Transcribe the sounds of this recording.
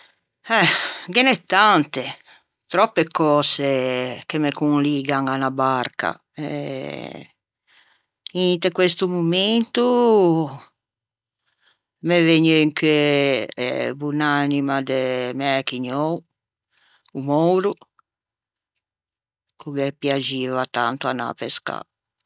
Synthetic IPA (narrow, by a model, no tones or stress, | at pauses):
ɛɡenɛt̪ːant̪e | t̪ɾɔpːekɔːsekemekunliːɡaŋanabaɾka̰ | ɛ̰ | int̪ekwest̪umument̪u | meveɲeŋkʰeɛ̰bunanimad̪emɛɛkiɲɔw | umɔwɾu | kuɡepjad͡ʒiːvat̪a̰nt̪uana̰peska̰